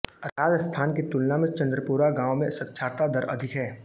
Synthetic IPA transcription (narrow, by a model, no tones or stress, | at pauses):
ɾaːd͡ʒəst̪ʰaːnket̪ʊlnãmẽt͡ʃɐ̃nd̪ɾəpuːɾaɡãːwmẽsɐkʃʰaːɾt̪ad̪ɐɾʔɐ̰d̪ʱɪkɦɛː